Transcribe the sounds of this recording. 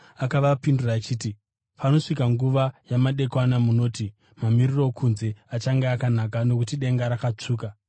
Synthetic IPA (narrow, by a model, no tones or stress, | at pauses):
akaʋapinduraːt͡ʃiːti | pʰano̞ʂikaŋɡuʋajamaɗe̞kwanamuno̞ːti | mamiriro̞kʰunze̞at͡ʃaŋɡeakanakano̞kutiɗe̞ŋɡaɾakat͡ʂuːka